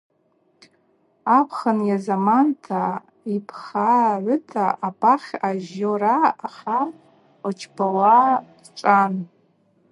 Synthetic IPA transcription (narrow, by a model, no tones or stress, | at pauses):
apʰχanjazamantʰa | ipʰχaʕʷʊtʰaʔːpʼaχʲaʒoɾaːχa | at͡ʃʰbawaː | ʈ͡ʂʷʼan